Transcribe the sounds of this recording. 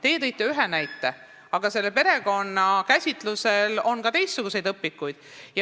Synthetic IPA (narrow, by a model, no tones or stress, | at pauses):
t̪e̞jet̪ejt̪ːˑeyɦe̞næjt̪ːˑe̞ | ɑɡ̥ɑse̞lːepe̞ɾe̞ko̞nːɑkæsʲit̪ˑluse̞lo̞nkɑt̪e̞jst̪ːuɡuse̞jd̪ɤpːikːˑujd̪̥jɑ